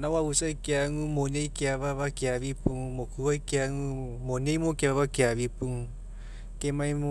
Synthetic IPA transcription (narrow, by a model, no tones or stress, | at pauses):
nawausaikeaŋũmoɲeikeaβaβakeaβipuŋmokuwaikeaŋũ | moɲẽimokaβaβakeaβipuŋ | kemãĩmo